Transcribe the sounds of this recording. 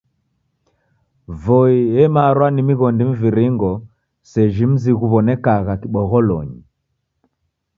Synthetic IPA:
vɔiɛmaɾwanimiɣɔndim̩viɾiŋɡɔ | sɛʒim̩ziɣuβɔnɛkaɣakiɓɔɣɔlɔ̰ɲi

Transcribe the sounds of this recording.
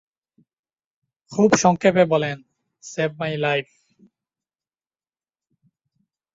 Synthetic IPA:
kʰubʃɔŋkʰepebɔlen | seb̚majlajf

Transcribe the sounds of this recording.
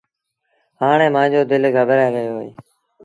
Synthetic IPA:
ɦaːɳ̃eːmãːd͡ʑoːd̪ɪlɡʱəbəɾɛːɡəjoːɦoḛː

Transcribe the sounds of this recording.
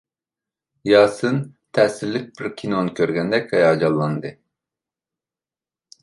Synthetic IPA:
jɑːsɯnt̪ʰɛːsiɾlʲik̚biɾkʲʰinonkʰʲøɾɡʲɛnd̪ɛkʰajɑːd͡ʒɑlˠːɑnd̪ɯ

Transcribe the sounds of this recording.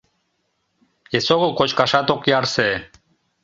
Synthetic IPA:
esoɣokot͡ɕkɑʃɑt̪okjɑɾse

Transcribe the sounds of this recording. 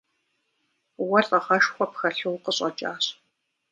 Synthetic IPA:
wɐtʼɐʁɐʃxʷɔpxɐɬɨwqəɕʼɐt͡ʃʼaːɕ

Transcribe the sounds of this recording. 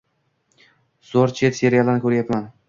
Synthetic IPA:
z̥oɾt͡ʃʰe̞t̪seɾijalˠanɪkʲʰɵɾjapman

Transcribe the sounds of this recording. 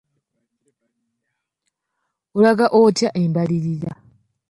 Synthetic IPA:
ulaɡaʔotjaʔembaliɾiɾa

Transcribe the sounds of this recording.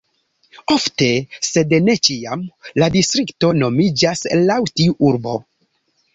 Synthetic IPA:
o̞fte̞se̞dne̞t͡ʃiamladistɾikto̞no̞mid͡ʒaslawtiuʔuɾbo̞̰

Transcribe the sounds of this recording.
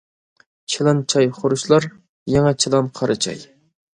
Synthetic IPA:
t͡ʃʰilˠɑnt͡ʃʰɑjχoɾuʃlˠɑɾ | jɛŋɛt͡ʃʰilˠɑnqʰɑɾɨt͡ʃʰɑ̰j

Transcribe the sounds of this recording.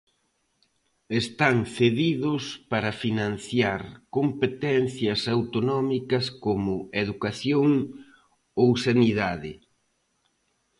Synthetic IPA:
est̪aŋθeðiðʊspaɾɐfinãn̟θjaɾkompet̪ɛnθjɐsawt̪onɔmikɐskomʊeðukaθjoŋ | owsaniðaðɪ

